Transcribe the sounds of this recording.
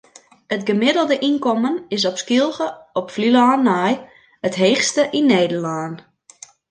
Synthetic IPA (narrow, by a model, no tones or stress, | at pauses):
ətɡəmɪdəl̩ˠdəʔinkɔmənɪs̬ɔpskilˠɣəɔpflilaːnaj | ətɦeːxstəʔinːeːdərlaːn